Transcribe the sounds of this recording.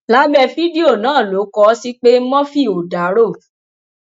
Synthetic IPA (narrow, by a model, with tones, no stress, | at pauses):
la˦bɛ˧˨fi˦di˦o˦˨nãː˦˨lo˨˦kɔ˧˦si˦k͡pe˦mɔ̃˦fi˦˨o˨da˨˦ɾo˦˨